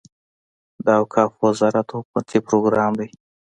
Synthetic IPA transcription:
d̪əawkʰɑːfwazɑɾat̪ʰopat̪ʰipɾoɡɾɑmd̪aj

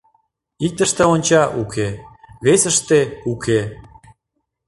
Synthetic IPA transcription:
ik̚t̪ə̆ʃt̪ĕonʲt͡ɕɑʔukʰeβesəʃt̪eukʰe

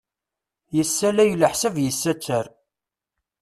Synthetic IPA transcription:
jəsːælæjləħsəvjəsːæt͡sːəɾ

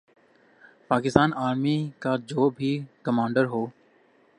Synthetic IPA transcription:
paːkɪst̪aːnaːɾmiːkaːd͡ʒoːbʱiːkəmãːɳɖəɾɦoː

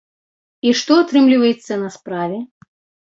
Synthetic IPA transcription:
iʂt̪ɔat̪ɾɨmlʲivɐjɛt̪sːɐnɐspɾavʲɛ

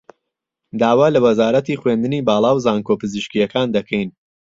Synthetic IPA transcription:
d̪aːwaːlɐwɐzaːɾɐt̪iːχweːnd̪ɨniːbaːlˠɑːwzaːŋkoːpɨzɨʃkijɐkʰaːnd̪ɐkʰɛjn

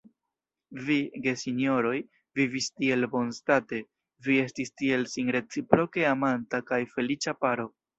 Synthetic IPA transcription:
viɡe̞sinjo̞ɾo̞j | vivistie̞lbo̞nstate̞ | vie̞stistie̞lsinɾe̞t͡sipɾo̞ke̞amantakajfe̞lit͡ʃapaɾo̞

